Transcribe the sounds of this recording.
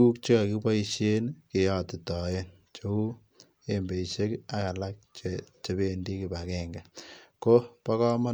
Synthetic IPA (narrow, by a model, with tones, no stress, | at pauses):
u˦k̚t͡ʃe˦ka˨kipa˦i˦ʃe˦nke˨jɔ˦ti˨tɔ˨e˦n | t͡ʃo˨˦u˦ | e˦mbe˨i˨ʃe˦ka˨ka˨la˦k̚t͡ʃet͡ʃe˨be˦ndi˦kɪ˨ba˨kɛŋɡa˨ko˦pa˦kɔ˦ma˦